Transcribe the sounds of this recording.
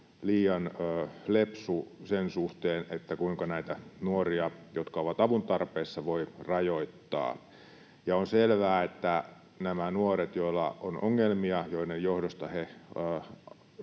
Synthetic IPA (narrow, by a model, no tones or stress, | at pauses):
liːjɑnøːlepsusensuht̪eːnet̪ːækuiŋkɑnæit̪ænuoriɑjot̪kɑoʋɑt̪ɑʋunt̪ɑrpeːsːɑʋoirɑjoit̪ːɑ̰ː | jɑonselʋæːet̪ːæ | næmænuoret̪joilːɑ̰onʔoŋːelmiɑjoinejjohdost̪ɑhe